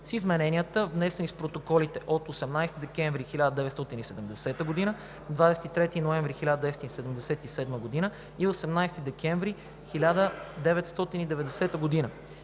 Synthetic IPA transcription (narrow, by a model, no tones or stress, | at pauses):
sizmɛnɛnʲijət̪əvnɛsɛnispɾot̪okɔlit̪ɛʔot̪osɛmnajst̪id̪ɛkɛɱvɾixilʲad̪əd̪ɛvɛt̪st̪ɔt̪inisɛd̪ɛmd̪ɛsɛt̪əɡod̪inə | d̪vad̪ɛsɛ̥t̪it̪ɾɛt̪inoɛ̃ɱvɾixilʲad̪əd̪ɛsɛt̪isɛd̪ɛmd̪ɛsɛt̪isɛd̪məɡod̪inə | iosɛmnajst̪id̪ɛkɛ̃ɱvɾi | xilʲad̪əd̪ɛvɛt̪st̪ɔt̪inid̪ɛvɛd̪ɛsɛt̪əɡod̪inə